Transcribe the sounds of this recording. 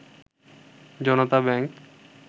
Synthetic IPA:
d͡ʑɔnot̪abɛŋk

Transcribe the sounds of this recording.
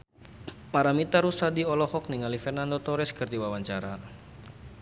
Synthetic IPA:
paɾamit̪aɾusadiɔlɔhɔk̚niŋalifɛrnandot̪ɔɾɛskərd̪iwawaɲt͡ʃaɾa

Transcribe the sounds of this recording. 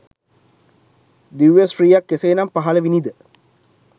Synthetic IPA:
d̪iʋjesfriːjakːeseːnampaɦɐləʋinid̪ə

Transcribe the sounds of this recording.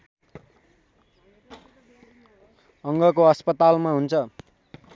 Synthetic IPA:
ʌŋɡʌkoʌspʌt̪almaɦunt͡sʰʌ

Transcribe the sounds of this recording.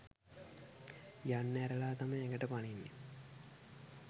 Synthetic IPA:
janːəæɾəlaːt̪amajɛŋɡəʈəpaninːe

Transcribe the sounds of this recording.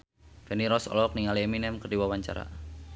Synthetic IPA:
fɛniɾɔsɔ̰lɔk̚niŋalieminɛmkərdiwawaɲt͡ʃa̰ɾa̰

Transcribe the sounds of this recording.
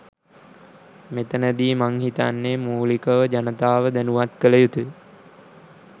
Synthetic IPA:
met̪ənəd̪iːmaŋhit̪anːemuːlikəʋəd͡ʒanət̪aːʋəd̪ænuʋat̪kələjut̪u

